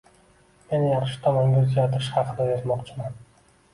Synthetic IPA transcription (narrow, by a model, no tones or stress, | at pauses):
me̞nɪjɑχʃɪ̥t̪ʰɒmɒŋɡʲazɪd͡ʒat̪ʰɪɾɪʃhɑqʰɨd̪aezmɒqt͡ʃʰɪman